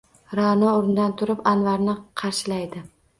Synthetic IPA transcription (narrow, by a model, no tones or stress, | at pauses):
ɾanɒoɾɪnɪd̪ant̪ʰʊɾɪpanvaɾnɪqʰɑɾʃɪlajd̪ɪ